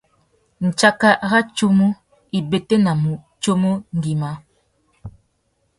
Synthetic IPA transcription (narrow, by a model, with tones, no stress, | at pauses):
n̩˨t͡ʃa˦ka˦ɣa˦t͡ʃo˦mo˦ | i˨be˨te˦na˨mu˨ | t͡ʃo˦mo˦ŋ̩˨ɡi˨ma˨˦